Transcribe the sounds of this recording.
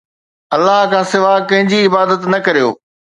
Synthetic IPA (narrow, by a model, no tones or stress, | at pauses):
ɐlːaɦkʰãːsɪʋakɐ̃ɦɪ̃ɲd͡ʑiɪbaːd̪ət̪nɐkɐɾijo̰ː